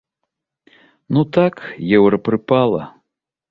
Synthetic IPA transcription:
nut̪akjɛwɾɐpɾɨpalˠɐ̰

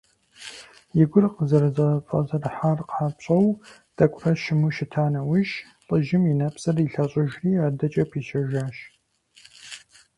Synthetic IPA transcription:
jɪɡʷʊrqəzɐrɨzɐfʼɐ̰zɐrħaːrqʰaːpɕʼɐw | d̥ʰɐkʷʼrɐʃɪmuʃɪtʰaːnɐwʊʒ | ɬʼəʒɪmjɪnɐpsɐriɬɐɕʼɐʒriːaːdɐt͡ʃʼɐpʰiːʃɐʒaːʃ

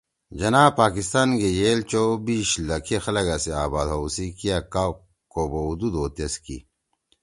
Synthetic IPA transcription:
d͡ʑɐnaːbpaːkist̪aːnɡejeːlt͡ɕobiːɕlɐkʰexɐlɐɡaseaːbaːd̪ɦowsikijaka | koboud̪ud̪oːt̪eskḭ

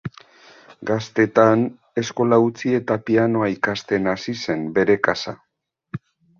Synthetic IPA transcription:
ɡast̪e̞t̪an | e̞sko̞laut͡sie̞t̪apiano̞aikast̪e̞nasise̞mbe̞ɾe̞kasa̰

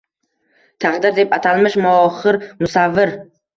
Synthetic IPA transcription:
t̪ʰaqd̪ɪɾd̪e̞pat̪ʰalmɪʃmʊɒχɪɾmʊsavːɪɾ

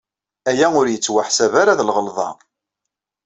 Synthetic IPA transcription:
æjæʊɾjət͡sːwaħsævaɾaðlʁəlðˤɑ̰

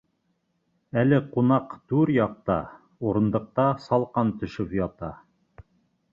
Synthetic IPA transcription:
ælɘqunɑqt̪ʉɾjɑq̚t̪ɑ̰ | uɾɤ̆nd̪ɤ̆q̚t̪ɑsɑlˠqɑnt̪ɵ̆ʃɵpjɑt̪ɑ

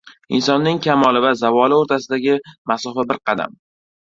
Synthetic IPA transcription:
ɪnsɒnːɪŋkʲʰamɒlˠɪvazavɒlɪoɾt̪ʰas̬ɪd̪aɡʲɪmasɒfabɪɾqʰɑd̪a̰m

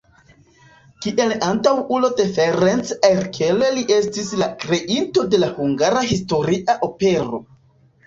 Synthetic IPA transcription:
kiʔe̞lantawulo̞de̞feɾent͡seɾkʰeleliʔe̞stislakɾe̞ʔinto̞de̞lahuŋɡaɾaɦisto̞ɾiʔaʔo̞pe̞ɾo̞̰

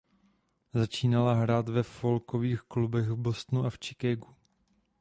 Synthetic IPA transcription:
zat͡ʃiːnalaɦɾaːt̪vɛfolkoviːxklubɛɣvbo̞st̪nuʔaft͡ʃɪkɛɡu

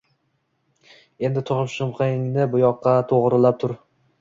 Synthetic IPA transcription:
e̞nd̪ɪt̪ʰʊʁɨpʃʊmqʰɨɪŋnɪbʊjɒqʰːɑt̪ʰoʁɾɪlap̚t̪ʰʊɾ

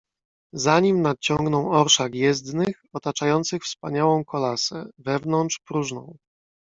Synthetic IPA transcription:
zaɲimnat̪̚t͡ɕɔŋɡnɔ̃w̃ɔɾʂakjɛzd̪nɘxɔt̪at͡ʂajɔnt̪sɘxfspaɲawɔ̃w̃kʰɔlasɛvɛvnɔntt͡ʂpɾuʐnɔ̰̃w̃

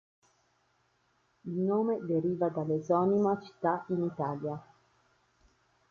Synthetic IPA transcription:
ilnoːmed̪eɾiːvad̪alːezɔːnimat͡ʃi̥t̪ːainit̪aːlja

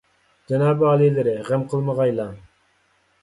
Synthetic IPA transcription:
d͡ʒɛnɑːbɑːlˠilɪɾɪʁæmqʰəlˠməʁɑjlˠɑ

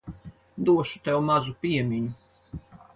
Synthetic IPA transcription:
d̪uɔʃu̥t̪ɛwmazupʲiɛmʲiɲu

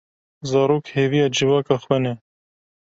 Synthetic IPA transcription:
zɑːɾoːkheːvijɑːd͡ʒɨvɑːkɑxwɛnɛ

